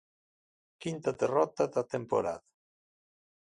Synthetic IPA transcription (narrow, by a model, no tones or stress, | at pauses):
kint̪ad̪erɔt̪aðat̪empo̰ɾa̰ða